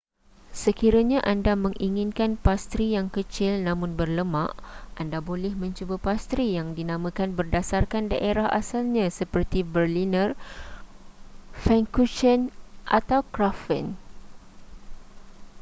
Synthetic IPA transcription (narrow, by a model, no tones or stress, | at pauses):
səkiɾaɲãʔandamə̃ŋʔiŋɪnkanpast̪ɾijaŋkət͡ʃɪlnãmʊ̃nbərləmaʔʔandabolɛhmə̃ɲt͡ʃubapast̪ɾijaŋdinãmə̃kanbərdasarkandaʔeɾaɦʔasalɲãsəpərt̪ibərlinə̃r | fɛŋkuʃənʔa̰t̪awkɾafə̰n